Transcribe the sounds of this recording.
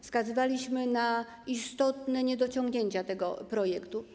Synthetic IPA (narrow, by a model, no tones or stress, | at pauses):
fskazɘvalʲiɕmɘna | ist̪ɔt̪nɛɲɛd̪ɔt͡ɕɔŋɡɲeɲt͡ɕat̪ɛɡɔ̰pɾɔjɛkt̪u